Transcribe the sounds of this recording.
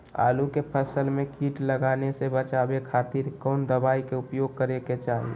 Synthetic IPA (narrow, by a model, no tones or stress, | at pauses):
a̰ːlukepʰəsəlmẽkiːʈləɡaːnesebət͡ʃaːbekʰaːt̪iɾkɔːnd̪əbaːikeʊpjoːɡ̚kəɾeket͡ʃaːɦḭe